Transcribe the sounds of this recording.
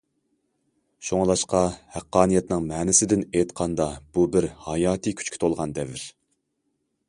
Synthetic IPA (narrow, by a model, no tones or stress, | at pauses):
ʃoŋlˠɑʃqɑhæqːɑːnijɛt̪nɪŋmɛːnɪsɪd̪ɪnejt̪qʰɑnd̪ɑb̥ubɪɾhɑjɑːt̪ʰɨkʲʰy̥t͡ʃkʲi̥t̪ʰolˠʁɑnd̪ɛvɪɾ